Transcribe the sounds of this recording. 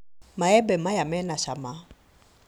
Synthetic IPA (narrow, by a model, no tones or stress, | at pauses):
majɛbɛmajamɛnaʃama